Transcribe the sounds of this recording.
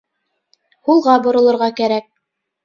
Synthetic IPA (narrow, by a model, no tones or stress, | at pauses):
hulˠʁɑbŏɾŏlˠŏɾʁɑkæɾæk̚